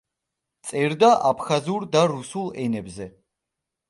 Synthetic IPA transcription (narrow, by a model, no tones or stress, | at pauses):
t̪sʼɛɾd̪aʔapʰχazuɾd̪aɾusulˠɛnɛbzɛ